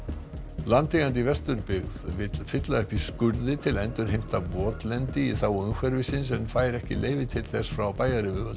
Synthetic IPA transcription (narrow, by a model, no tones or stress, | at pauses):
lant̪iɣant̪̬ivɛst̪ʏɾpɪɣðvɪt̪fɪt̪laɛhpɪskʏɾðɪt̪ʰɪlɛnt̪ʏɾ̥hejm̥t̪avɔːt̪lɛnt̪ɪiθawʏnxvɛɾvɪsɪns̬ɛnfaːjɾɛhcɪ̰lʔeːjvɪt̪ʰɪlθɛsfɾawpaːjaɾɪvʏvʏlt̪